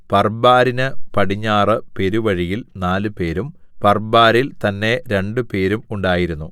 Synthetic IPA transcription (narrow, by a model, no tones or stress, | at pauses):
pɐrbaːɾinɨpɐɽiɲːaːrɨpe̞ɾuʋɐɻijilnaːlɨpe̞ːɾum | pɐrbaːɾilt̪ɐnːe̞ɾe̞ɳɖɨpe̞ːɾumuɳɖaːjiɾunːu